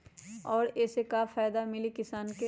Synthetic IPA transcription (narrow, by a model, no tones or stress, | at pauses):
ɔːɾɛːsekafaːjd̪amɪlikɪsaːnke